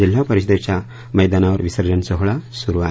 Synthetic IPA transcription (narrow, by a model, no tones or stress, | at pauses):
il̤apəɾiɕd̪et͡ɕa | məjd̪anaʋəɾʋisəɾd͡ʑənsəɦɭasuɾua